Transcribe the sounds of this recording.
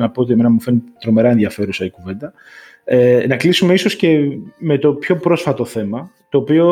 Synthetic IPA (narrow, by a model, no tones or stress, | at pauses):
nɐpo̞ot̪iemenɐmufe̞nit̪ɾo̞me̞ɾɐenðiɐfe̞ɾusɐikuve̞nd̪ɐ | enɐklisumeiso̞sce̞me̞t̪o̞pço̞pɾo̞sfɐt̪o̞θe̞mɐt̪o̞ːpio̞